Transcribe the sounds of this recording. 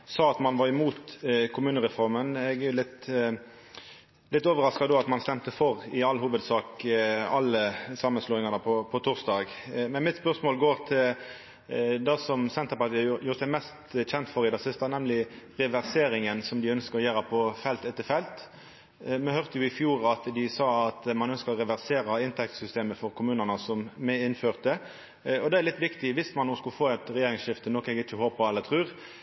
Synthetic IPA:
sɑːɑt̪mɑnʋɑɾɪmuːt̪kʰʊmʉːnəɾɛfɔɾmənɛɡæjʊlɪt̪ | lɪt̪ːoːʋəɾɑskɑd̪oːɑt̪mɑnst̪ɛmt̪əfɔɾɪɑlːhuːʋəd̪sɑːkɑlːəsɑmːənsluːɪŋɑnəpʰɔpʰɔt̪ʰʊʁsd̪ɑːɡ | mɛnmɪt̪spœʁsmoːlɡoːɾt̪ʰɪl | d̪ɛsɔmsɛnt̪əɾpɑɾt̪iːjuːɾəsæɪmɛst̪çɛnt̪fɔɾɪd̪ɑsɪst̪ɑnɛmlɪʁɛʋæʁseːɾɪŋənsɔmd̪ɪœnskəɾɔjæːɾəpʰɔfɛlt̪ɛt̪ːəfɛlt̪ | mɛhœʁt̪əjʊɪfjuːʁɑt̪d̪ɪsɑːɑt̪mɑnœnskəʁɔʁɛʋæʁseːɾɑɪnt̪ʰɛk̚t̪sʏst̪eːməfɔɾkʰʊmʉːnənəsɔmmɛɪnføːʁt̪ə | ɔd̪ɛæɾlɪt̪ːʋɪkt̪ɪʋɪsmɑnːuːskʉlfoːɛt̪ɾɛjeːɾɪŋsʃɪft̪ənɔkɛɡɪt͡ʃːəhoːpʰɔɛlːət̪ʰʁɾʉːʁ

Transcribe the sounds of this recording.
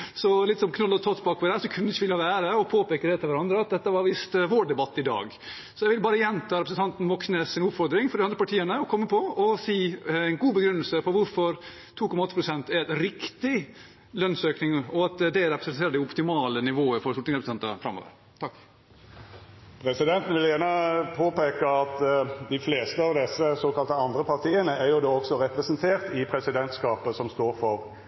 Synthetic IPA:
sɔlɪt̪sɔmkʰnɔlɔt̪ʰɑːt̪bɑːkpɔd̪ɛæɾsɔkʰʉnd̪ɪçːəʋɪlhɑʋæːɾəɔpʰoːpeːkəɾɛt̪ʰɪlʋæɾɑnd̪ɾəɑt̪̚d̪ɛt̪ːəʋɑɾʋɪst̪ʋoːɖɛbɑt̪ːɪd̪ɑ̰ːɡ | sɔjɛɪʋɪlbɑːɾəjɛnt̪ʰɑːɾɛpɾsən̩t̪ʰɑnt̪n̩ʋɔksnesɪnʊpfɔɾd̪ɾɪŋfɔɾɖɪɑnd̪ɾəpɑʈʰiːənəɔkʰɔmːəpʰɔɔsiːæɪnɡuːbəɡɾʉnːəlsəpʰɔʋʊɾfɔɾ | t̪ʰuːkʰɔmɑɔt̪ːəpɾʊsɛnt̪æɾɛt̪ɾɪkt̪ɪ | lœnsøːknɪŋɔɑt̪d̪ɛɾɛpɾəsɛnʰeːɾəd̪ɪʊpt̪ɪmɑːlənɪʋoːəɾfɔɾsʊt̪nɪŋsɛpɾsɛnt̪əfɾɑmo̰ːʋə̰ɾ | t̪ʰɑkː | pʰɾɛsɪd̪ɛnt̪n̩ʋɪljæːʁnəpʰoːpeːkəɑt̪d̪ɪfleːst̪əɑʋd̪ɛsːəsoːkɑlt̪əɑnd̪ɾəpɑʁt̪ʰiːənəæɾjʊd̪oːɔksɔɾɛpɾɛsənt̪ʰeːʁt̪ɪpʰɾɛsɪd̪ɛnt̪skɑːpəsɔmst̪oːɾfɔɾ

